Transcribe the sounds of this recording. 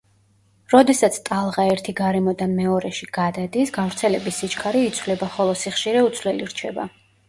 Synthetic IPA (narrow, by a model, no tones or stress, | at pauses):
ɾɔd̪ɛsat̪sʰt̪ʼalˠʁaɛɾt̪ʰiɡaɾɛmɔd̪amɛɔɾɛʃiɡ̥ad̪ad̪isɡavɾt̪sʰɛlɛbisːit͡ʃʰkʰaɾiːt̪sʰwlɛbaχɔlˠɔsiχʃiɾɛut̪sʰlɛliɾt͡ʃʰɛba̰